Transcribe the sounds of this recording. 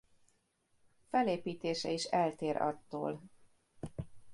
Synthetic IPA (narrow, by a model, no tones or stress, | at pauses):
fɛleːpiːt̪eːʃɛ̰iʃɛlt̪eːɾʔɒ̰t̪ːo̰ːl